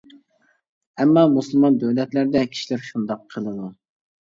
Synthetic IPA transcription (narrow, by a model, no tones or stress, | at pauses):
ɛmːɑmusɨlˠmɑnd̪øwlɛt̪læɾd̪ɛkʲʰi̥ʃilɪɾʃund̪ɑqʰːəlˠɨd̪u